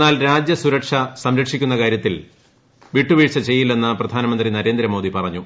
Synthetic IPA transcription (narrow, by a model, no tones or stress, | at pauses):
aːlɾaːd͡ʑjɐsuɾɐʈʂɐsɐmɾɐkʂikʲːunːɐkaːɾjɐt̪ːil | ʋiʈːuʋiːʈʂɐt͡ɕe̞jːilːe̞nːɨprɐd̪ʱaːnɐmɐnd̪rinɐɾe̞ːnd̪ɾɐmo̞ːd̪ipɐrɐɲːu